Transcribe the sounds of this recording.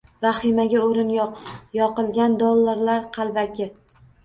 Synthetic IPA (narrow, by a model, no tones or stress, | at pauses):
vaχɪmaɡʲaoɾɪnjjɒqɨlˠɡʲand̪ɒlˠːaɾlaɾqʰɑlˠbakʲʰɪ